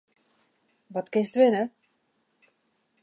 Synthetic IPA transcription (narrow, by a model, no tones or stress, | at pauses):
ʋɔtkɪnstʋɪnə